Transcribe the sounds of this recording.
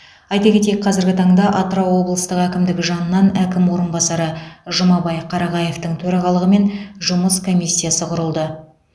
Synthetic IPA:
ɑjt̪ɑkʲe̞t̪̬ejk̚qʰɑzɪɾɡʲɪt̪ʰɑɴd̪ɑʔɑt̪ɾowo̞blˠəst̪əqækʲɪmd̪ɪɡʲɪʒɑnəːɑnækʲɪmwo̞ɾənbɑsɑɾəʒʊmɑbɑjqʰɑɾɑʁɑje̞ft̪əɴt̪ʰɵɾɑʁɑlˠəʁəme̞nʒʊməskʰo̞mʲijsʲːijasəqʰʊɾəlˠd̪ə

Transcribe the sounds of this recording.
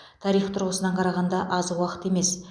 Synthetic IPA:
t̪ʰɑɾijχt̪ʰʊɾʁəsənɑɴqʰɑɾɑʁɑnd̪ɑʔɑzwɑqə̥t̪e̞me̞s

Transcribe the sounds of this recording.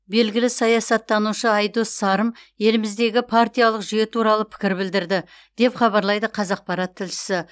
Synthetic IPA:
be̞lɡʲɪlɪsɑjɑsɑt̪ːɑnuʃəɑjd̪osɑɾəmje̞lɪmɪzd̪e̞ɡʲɪpʰart̪ijalˠəqʒʏje̞t̪ʰuɾɑlˠəpʰɪ̥kʲɪɾbɪld̪ɪɾd̪ɪ | d̪̥e̞pχɑβɑɾlˠɑjd̪əqʰɑzɑq̚pɑɾɑt̪ʰːɪlʃɪ̥sɪ

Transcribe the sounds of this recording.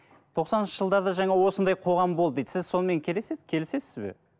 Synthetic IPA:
t̪ʰo̞qsɑnənʃəʒəlˠd̪ɑd̪ɑʒɑɴɑwo̞sənd̪ɑjqʰo̞ʁɑmbo̞lˠəd̪ed̪əsɪzso̞nəme̞ŋkʲʰe̞lesezkʲʰe̞lɪse̞sɪzbḛ

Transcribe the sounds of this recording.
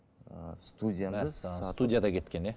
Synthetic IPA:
st̪ud̪ʲijanst̪ud̪ʲijad̪ɑkʲʰet̪kʲe̞ne

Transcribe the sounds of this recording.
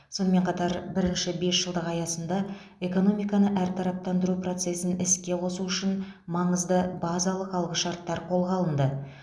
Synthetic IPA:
so̞nəme̞ɴqʰɑt̪ɑɾbɪɾɪnʃɪbe̞sʒ̥əlˠd̪əqɑjɑsənd̪ɑ | e̞ko̞no̞mijkɑnəʔæɾt̪ʰɑɾɑp̚t̪ɑnd̪əɾupro̞t̪se̞sɪnɪskʲe̞qʰo̞suʏʃɪnmɑɴəzd̪əbɑzɑlˠəqɑlˠʁəʃɑɾt̪ːɑɾqʰo̞lˠʁɑlˠənd̪ə

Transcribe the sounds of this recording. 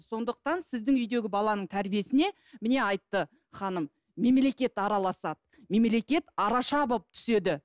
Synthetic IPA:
so̞nd̪əq̚t̪ɑnsɪzd̪ɪŋʏjd̪e̞ɡʲɪbɑlˠɑnəɴt̪ʰæɾbije̞sɪne̞ | mɪne̞ɑjt̪ːə | χɑnəmː | e̞mle̞kʲe̞t̪ɑɾɑlˠɑsɑd̪ə | me̞mle̞kʲe̞t̪ɑɾɑʃɑbp̚t̪ʰʏ̥se̞d̪ɪ

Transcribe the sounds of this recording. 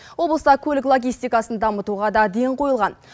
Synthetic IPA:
wo̞blˠəst̪ɑkʲʰɵlɪklˠo̞ɡʲijst̪ijkɑsənd̪ɑmət̪uʁɑd̪ɑd̪e̞ɴqʰo̞jəlˠʁɑn

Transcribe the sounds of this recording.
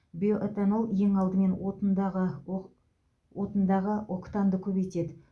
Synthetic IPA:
bijoʔet̪anolˠje̞ŋɑlˠd̪əme̞nwot̪d̪ʁə | wot̪ənd̪ɑʁəokt̪ɑnd̪əkʲʰɵbet̪e̞d̪ɪ

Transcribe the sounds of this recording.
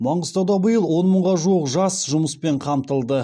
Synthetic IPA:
mɑɴəzt̪ɑwd̪ɑbəjəlˠwo̞nməɴʁɑʒuəqʒɑsʒʊməspe̞ɴqʰɑmt̪əlˠd̪ə

